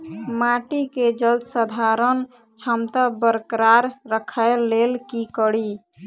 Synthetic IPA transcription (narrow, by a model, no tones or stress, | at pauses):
maʈiked͡ʒəld̪səd̪ʱaɾən | t͡ʃʰəmt̪abəɾkɾaɾɾəkʰəlːelkikəɽi